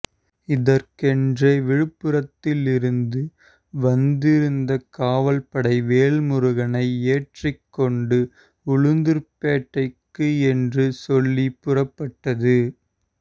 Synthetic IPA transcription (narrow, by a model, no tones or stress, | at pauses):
ɪðɐɾkɛndrɐʋɪɻɯpːɯɾɐt̪ːɪlɪɾɯnd̪ɯ | ʋɐnd̪ɪɾɯnd̪ɐkaːʋɐlpɐɽɐɪʋeːɭmʊɾʊɣɐnɐɪeːʈrɪkːɔɳɖɯ | ʊɻʊnd̪ɯɾpeːʈːɐɪkːɯɛndrɯsɔlːipːʊrɐpːɐʈːɐðɯ